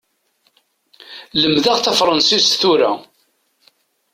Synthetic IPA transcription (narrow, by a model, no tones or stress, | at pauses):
ləmðaʁθɑfɾˤɑnsisθuɾa̰